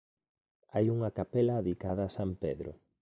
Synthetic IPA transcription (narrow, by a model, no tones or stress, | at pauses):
ajuŋɐkapɛlaːðikaðɐːsampeðɾʊ̰